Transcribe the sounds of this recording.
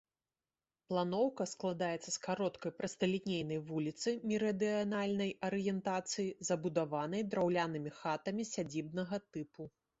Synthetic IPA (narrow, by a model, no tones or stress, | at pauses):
plˠanɔwkɐsklˠad̪ajɛt̪sːɐskaɾɔt̪kɐjpɾɐst̪ɐlʲinʲejnɐjvulʲit̪sɨmʲiɾɐd̪ɨanalʲnɐjɐɾɨjɛnt̪at̪sɨjizɐbud̪avanɐjd̪ɾawlʲanɨmʲixat̪ɐmʲisʲad͡zʲib̚nɐɣɐt̪ɨpu